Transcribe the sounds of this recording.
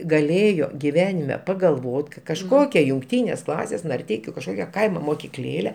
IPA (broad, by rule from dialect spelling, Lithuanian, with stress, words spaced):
ɡɐˈlʲeːjoː ɡʲɪˈʋʲæːnʲɪmʲɛ pɐɡɐlˠˈʋoːt kɐ kɐʃˈkoːkʲɛ jʊŋkˈtʲiːnʲeːs ˈklˠɑːsʲeːs nɐrʲˈtʲɛɪkʲʊ kɐʃˈkoːkʲɛ ˈkɐɪmoː moːkʲɪˈklʲeːlʲɛ